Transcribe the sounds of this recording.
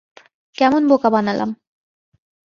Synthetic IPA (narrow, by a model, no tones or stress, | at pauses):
kɛmonbokabanalʔa̰m